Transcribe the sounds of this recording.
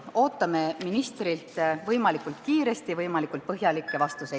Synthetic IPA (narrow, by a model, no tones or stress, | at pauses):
o̞ːt̪ːˑɑme̞minist̪rilt̪vɤjmɑlikːˑult̪kiːɾe̞st̪ivɤjmɑlikˑult̪̚pɤɦjɑlikːˑe̞vɑst̪usej